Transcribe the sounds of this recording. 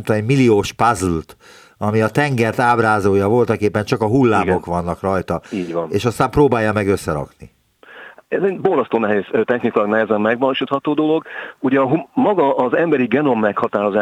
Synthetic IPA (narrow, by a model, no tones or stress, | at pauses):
mt̪omɛɟmilioːʃpazult̪ | ɒmiɒt̪ɛŋɡɛrt̪aːbraːzoːjɒvo̞lt̪ɒkeːpːɛɲt͡ʃɒkɒɦulːaːmo̞kʋɒnːɒkrɒjt̪ɒiːɟʋvɒneːʃɒst̪aːmproːbaːjːɒmɛɡøsːɛɾɒ̰kni | ɛzenbo̞lzɒst̪oːnɛɦeːsøt̪ɛxnikjlɒɡnɛɦɛzɛmːɛɡʋɒloʃit̪hɒt̪oːd̪o̞lo̞ɡuɟɛɦumɒɡɒʔːzɛmbɛɾiɡɛno̞mːɛkhɒt̪aːɾo̞zaː